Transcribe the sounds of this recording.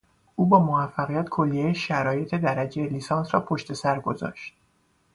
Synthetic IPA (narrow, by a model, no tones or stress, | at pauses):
ʔuːbɒːmovæfːæɣijæt̪kʰo̞lːijejeʃæɾɒːje̞t̪ʰe̞d̪æɾæd͡ʒejeliːsɒːnsɾɒːpʰo̞ʃt̪e̞sæɾɡo̞zɒ̰ːʃt̪̚